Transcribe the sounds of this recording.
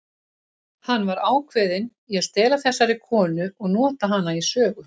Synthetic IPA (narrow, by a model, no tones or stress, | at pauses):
hanːvaɾaːwkʰvɛːðɪn | iaðst̪ɛːlaθɛsːaɾɪkʰɔːnʏɔɣnɔːt̪aɦanːaisœːɣʏ